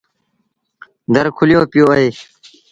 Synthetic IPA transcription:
d̪əɾkʰuljõːpjoːɐeː

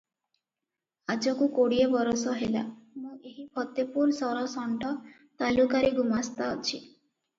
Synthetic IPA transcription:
ad͡ʒɔkukoɽiebɔɾɔsɔɦela̰mũʔeɦipʰɔt̪ːepuɾsɔɾɔsɔɳɖɔ | t̪alukaɾeɡumast̪aɔt͡ʃʰi

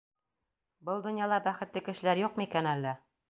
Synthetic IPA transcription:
bɤlˠd̪ŏnjɑlˠɑbæχɘ̆t̪lɘkɘ̆ʃɘ̆læɾjuq̚mikænælːɘ

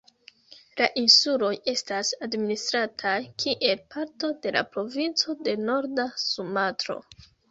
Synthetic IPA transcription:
laʔinsulo̞je̞stasadministɾatʰajkʰiʔe̞lpʰaɾto̞de̞la̰pɾo̞vint͡so̞de̞no̞ɾdasumatɾo̞̰

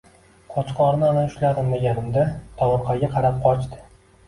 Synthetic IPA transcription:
qʰɒt͡ʃqʰɒɾnɪɒnaʊʃlaɾʊlmaɡʲanɪmd̪at̪ʰɒwʊɾqʰɑɡʲaqʰɑɾap̚qʰɒt͡ʃt̪ɪ̥

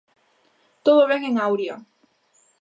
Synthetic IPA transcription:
t̪oðoβeɣeŋawɾja

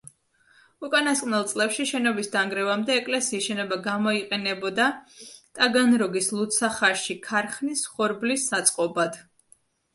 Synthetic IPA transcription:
ukʼanaskʼnɛlˠt̪sʼlɛpʃiʃɛnɔbisd̪aŋɡɾɛvamd̪ɛːkʼlɛsiːsʃɛnɔbaɡamɔiqʼɛnɛbɔd̪at̪ʼaɡanɾɔɡislˠut̪sʰaχaʃikʰaɾχnisχɔɾblisːat̪sʼqʼɔbad̪̥

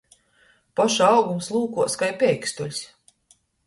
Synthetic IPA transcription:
paʃaɑwɡumslˠuːkuɔskajpʲɛjkst̪ulʲs

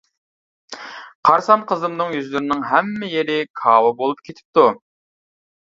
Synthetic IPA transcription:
qʰɑɾsɑnqʰəzɨmnɨŋjyzlyɾɪnɪŋɦæmːɪjeɾɪkʰɑːwɨbolˠup̚kʲʰet̪ʰɪ̥p̚t̪u

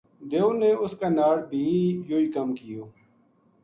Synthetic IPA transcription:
d̪eːuneːʊskaːnaːɽbʱiːjoːiːkəmkɪjoː

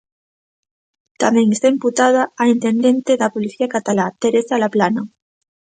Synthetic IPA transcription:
t̪amẽ̞ŋest̪aimput̪aðaːint̪e̞nd̪ẽ̞nt̪eðapoliθiakat̪alat̪eɾesalaplana

